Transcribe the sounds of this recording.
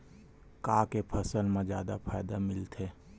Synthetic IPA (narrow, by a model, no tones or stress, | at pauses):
kaːkepʰəsəlmẽd͡ʒjaːd̪apʰaːɪd̪amɪlt̪ɦeː